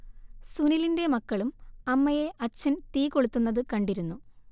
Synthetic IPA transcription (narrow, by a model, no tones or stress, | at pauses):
sunilinde̞mɐkːɐɭumɐmːɐje̞ʔɐt͡ɕːɐnt̪iːko̞ɭut̪ːunːɐðɨkɐɳɖiɾunːu